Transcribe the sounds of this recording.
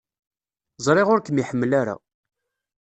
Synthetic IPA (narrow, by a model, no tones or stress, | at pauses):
zˤɾˤeʁʊɾkəmiħəmːlaɾa̰